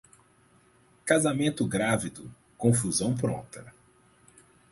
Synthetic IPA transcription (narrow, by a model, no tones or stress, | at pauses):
kazamẽnt̪ʊɡɾavid̪ʊ | kõfuzɐ̃w̃pɾõ̰nt̪ɐ